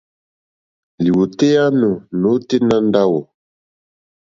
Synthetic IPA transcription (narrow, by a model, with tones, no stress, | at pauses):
li˨wu˨te˦ja˦nu˨no˨˦te˦na˦n˦da˦wɔ˨